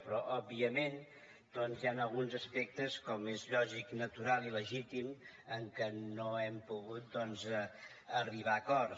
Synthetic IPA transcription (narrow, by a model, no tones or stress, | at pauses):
pɾɔʔɔbiəmen | d̪̥ɔnzjanəlˠɣunzəspɛk̚t̪əskɔmezʎɔʒiknət̪uɾalˠiləʒit̪im | əŋkənoɛmpuɣut̪̚d̪ɔnz | əriβ̞akɔr